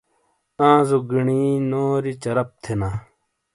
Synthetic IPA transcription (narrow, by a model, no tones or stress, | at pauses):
ãːzoɡiɳiːnoːɾit͡ɕɐɾɐp̚t̪ʰenaː